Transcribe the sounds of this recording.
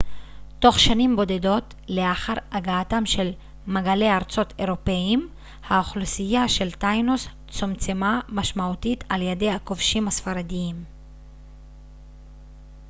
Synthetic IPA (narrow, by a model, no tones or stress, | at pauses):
to̞χʃanimbo̞de̞do̞t | le̞aχaʁaɡaːtamʃe̞l | maɡale̞jaʁt͡so̞tʰe̞ʁo̞peim | haoχlusijaʃe̞ltajnos | t͡somt͡semamaʃmautitʰaljede̞jhako̞vʃimhasfaɾadiim